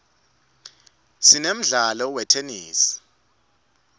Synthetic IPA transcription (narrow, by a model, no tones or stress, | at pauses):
sinem̩ɮalɔwɛtʰenḭːsi̥